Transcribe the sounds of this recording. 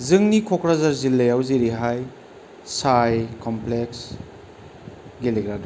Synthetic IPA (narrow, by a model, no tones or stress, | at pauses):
zɯŋnikʰokɾazaɾzilːɐjawziɾiɦaj | sajkɔmpleks | ɡeliɡɾadu